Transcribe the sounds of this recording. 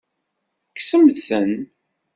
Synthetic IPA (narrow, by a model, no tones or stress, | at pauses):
ksəmθən